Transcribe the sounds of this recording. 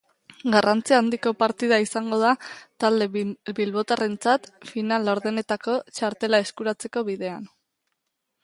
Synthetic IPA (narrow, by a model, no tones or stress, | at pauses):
ɡarant͡siaːnd̪iko̞paɾt̪ið̞aisaŋɡo̞ð̞at̪ald̪e̞bilβo̞t̪are̞nt͡sat̪finaloɾðene̞t̪ako̞t͡ʃaɾt̪e̞lae̞skuɾat͡se̞ko̞βiðe̞a̰n